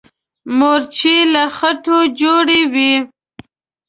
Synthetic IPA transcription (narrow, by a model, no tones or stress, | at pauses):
moɾt͡ʃilaxaʈod͡ʒoɽewi